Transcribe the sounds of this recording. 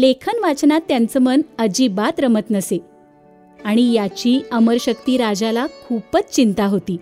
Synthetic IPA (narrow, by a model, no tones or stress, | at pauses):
lekʰənʋat͡snat̪ːjant͡səmənəd͡ʑiːbat̪ɾəmət̪nəse | aɽ̃ijat͡ɕiːəməɾɕək̚t̪iːɾad͡ʑalakʰupət͡st͡ɕint̪aɦot̪iː